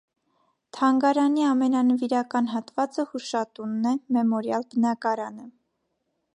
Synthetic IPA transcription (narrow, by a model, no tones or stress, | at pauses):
t̪ʰɑŋɡɑɾɑniɑmɛnɑnəviɾɑkɑn̪ɦɑt̪vɑt͡səhuʃɑt̪unːɛmɛmɔɾjɑlbənɑkɑɾɑnə